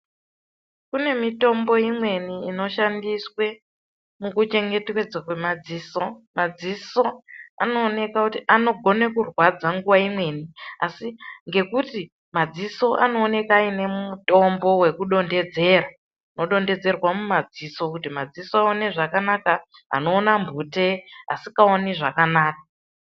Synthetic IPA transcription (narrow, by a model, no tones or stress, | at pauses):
kune̞mito̞mbo̞imwe̞niːno̞ʃandiswe̞ | mukut͡ʃe̞ŋɡe̞twed͡zakwe̞mad͡ziːso̞mad͡ziso̞a̰no̞ːne̞kakutiʔano̞ɡʱo̞nekurwad͡zaŋɡuʋaimwe̞ːniasiŋɡe̞kuti | mad͡ziso̞ʔa̰no̞ːne̞kaːine̞muto̞mbo̞we̞kuɗo̞nde̞d͡ze̞ːɾa | no̞ɗo̞nde̞d͡ze̞rwamumad͡ziso̞kutimad͡zisoaoneʐakanaka | a̰no̞ːnambʱute̞a̰sikaoniʐakanaːk̚a